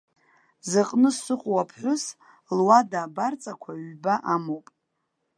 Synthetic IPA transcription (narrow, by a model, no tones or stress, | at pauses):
zɨqʼnɨsɨqʷʼwapʰħʷʊs | lwadaːbart͡sʼakʷʰaɥbaʔamowpʼ